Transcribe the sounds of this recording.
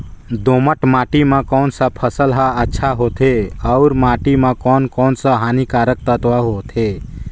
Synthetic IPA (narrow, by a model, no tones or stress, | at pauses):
d̪oːməʈmaːʈimãkɔːnsapʰəsəlɦaətːʃʰaɦot̪ʰeəʊɾmaːʈimãkɔːnkɔːnsaɦaːnikaːɾək̚t̪ət̪ʋaɦot̪ʰe